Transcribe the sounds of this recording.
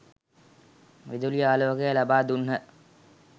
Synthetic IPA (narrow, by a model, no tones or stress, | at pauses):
ʋid̪ulijaːloʋəkejəlabaːd̪unɦə